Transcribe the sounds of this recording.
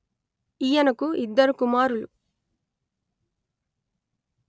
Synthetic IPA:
ijɐnɐkuid̪ːɐɾukumaːɾulṵ

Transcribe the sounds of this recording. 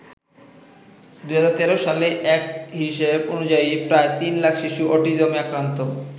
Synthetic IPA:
d̪uɦad͡ʑaɾt̪ɛɾoʃaleʔɛkɦiʃebonud͡ʑaipɾaet̪inlakʰʃiʃuʔɔʈid͡ʑomiakɾant̪o

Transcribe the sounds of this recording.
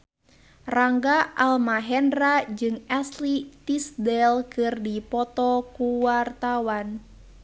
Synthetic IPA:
raŋɡaalmaɦɛnrad͡ʒɨŋɛslit̪isdɛlkɨrdipɔt̪ɔkuwart̪awan

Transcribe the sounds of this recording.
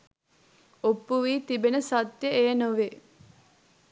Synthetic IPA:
opːuʋiːt̪ibenəsat̪jəeːnoʋe

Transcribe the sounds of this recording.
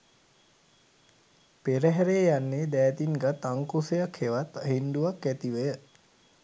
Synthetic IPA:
peɾəɦɛɾeːjanːeːd̪ɛːt̪inɡat̪aŋkusejakheʋat̪aɦind̪uʋakːæt̪iʋəjə

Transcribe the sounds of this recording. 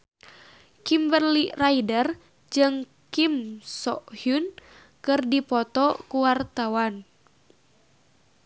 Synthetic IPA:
kimbərliraidər | d͡ʒɨŋ | kimsɔʔhun | kɨrdipɔt̪ɔkuwart̪awan

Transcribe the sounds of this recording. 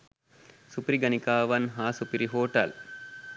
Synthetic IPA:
supiɾiɡɐnikaːʋɐnɦaːsupiɾiɦoːʈɐ̰l

